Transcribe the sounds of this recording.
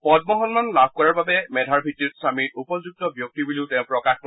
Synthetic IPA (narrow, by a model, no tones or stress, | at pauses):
pɔdmɔɦɔnmanlab̚ʱkɔɹaɹbabɛmɛdʱaɹbʱitɹitsamiɹupɔzuɡ̚tɔbjok̚tibuliʊtɛ̃ʊ̃pɹɔkaxk